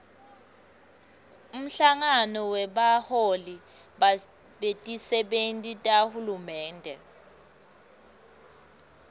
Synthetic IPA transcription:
um̩ɬaŋanɔwɛɓaholi | ɓetʼisɛɓentʼitʼahulumɛːndʱɛ̰

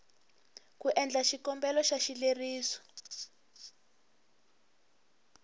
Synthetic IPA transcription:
kuʔɛnd͡ɮaʃikɔmbɛlɔʃaʃileriːsɔ̥

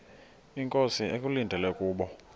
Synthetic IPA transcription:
iŋkʼosiekʼulindʱɛlɛkʼuːɓɔ

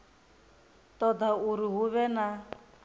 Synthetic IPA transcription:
t̪ʼɔd̪auɾiɦuβɛna

